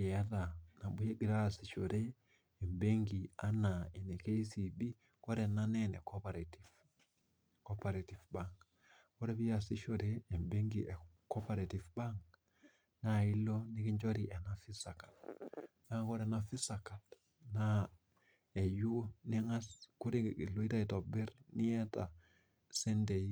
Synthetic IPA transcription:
e˨a˦ða˨na˨ɓu˦je˦ɡi˨ɾa˦˨si˨ʃo˨ɾeː˦˨ | mbe˦ŋɡi˨a˦na˨i˨ne˨ke˦i˦si˨bi˦ | kɔ˦ɾɛ˨na˦nɛ˦nɛ˨kɔpaɾtiv | kɔ˦pa˨ɾe˨ti˨vba˦ŋk | kɔ˦ɾe˦βi˦a˨si˦ʃo˨ɾeː˦˨mbe˦ŋɡi˨ʔɛ˨ko˦pa˨ɾe˨ti˨fba˦ŋk | na˦˨i˦lo˦ni˦ki˦ɲd͡ʒo˦ɾi˨ʔe˨na˦fi˦sa˨ka˨lna˦ko˦ɾe˨na˨fi˦sa˨ka˨l | na˦ | e˨ju˦o˦ni˦ŋa˦sku˦ɾi˦i˨lo˦i˦ta˦i˨to˨bɛ˦ɾni˦ɛ˦ta̰˨ | se˦nde˨i

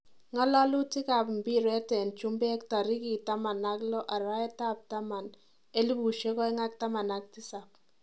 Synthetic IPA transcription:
ŋɔ˦lɔ˦lu˦ti˦ka˨pmbi˦ɾɛ˦tɛ˨nt͡ʃu˦mbe˦k̚ta˨ɾi˦ki˨ta˦ma˨na˦klɔ˦ʔa˨ɾa˦ɛ˦ta˦p̚ta˦ma˨n | e˦li˦bu˨ʃe˦kɔ˦ɛ˦ŋa˦k̚ta˦ma˨na˦k̚ti˦sa˨p̚

